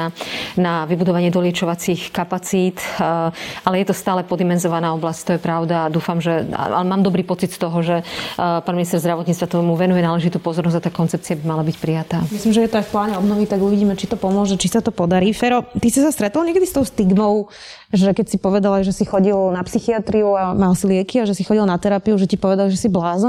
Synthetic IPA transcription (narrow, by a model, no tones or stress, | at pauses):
naʋibud̪ɔʋaɲɪɛd̪ɔlɪɛt͡ʃɔʋat͡sixkapat͡siːt̪ | alɛjɛt̪ɔst̪aːlɛpɔd̪imɛnzɔʋanaːɔblasct̪ɔjɛpɾaʊd̪aːd̪uːfamʒɛa̰a̰lɛmaːmd̪ɔbɾiːpɔt͡sit̪st̪ɔɦɔʒɛpaːnminist̪ɛɾzd̪ɾaʋɔt̪ɲiːt͡st̪vat̪ɔmuʋɛnujɛnaːlɛʒit̪uːpɔzɔɾnɔzat̪aːkɔnt͡sɛp̚t͡siabimalabicpɾijat̪aːmislimʒɛjɛt̪ɔajfplaːɲɛɔbnɔʋit̪aɡuʋiɟiːmɛt͡ʃit̪ɔpɔmʊɔʒɛt͡ʃisat̪ɔpɔd̪aɾiːfɛɾɔt̪isisast̪ɾɛt̪ɔlɲɛkɛd̪ist̪ɔʊst̪iɡmɔʊ | ʒɛkɛcsipɔʋɛd̪alajʒɛsixɔɟilnapsixiat̪ɾiuamalsilɪɛkiaʒɛsixɔɟilnat̪ɛɾapiuʒɛcipɔʋɛd̪alʒɛsiblaːz